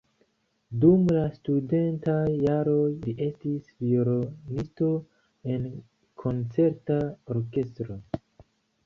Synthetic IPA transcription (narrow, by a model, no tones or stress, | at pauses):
dumlastude̞ntajːaɾo̞jliʔe̞stisvioɾonisto̞ | e̞n | kʰo̞nt͡se̞ɾtaoɾke̞stɾo̞